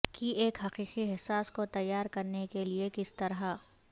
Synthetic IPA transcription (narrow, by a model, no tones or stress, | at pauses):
kieːkɦɐqiːqiɦɛsaːskot̪ɐjːaːɾkɐɾnekeliekɪst̪ɐɾɦa